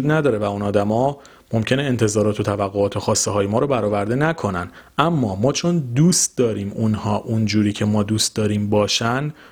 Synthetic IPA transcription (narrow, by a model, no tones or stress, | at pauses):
d̪næd̪ɒːɾe̞væunɒːd̪æmɒː | mo̞mcʰe̞neent̪ʰe̞zɒːɾɒːt̪ʰo̞t̪ʰævæɣːoɒːt̪ʰo̞xɒːst̪eɦɒːjemɒːɾobæɾɒːvæɾd̪e̞nækʰo̞næn | ʔæmːɒːmɒːt͡ʃʰo̞nd̪uːst̪̚d̪ɒːɾiːmunhɒːʔund͡ʒuːɾiːcʰe̞mɒːd̪uːst̪̚d̪ɒːɾiːmbɒːʃæn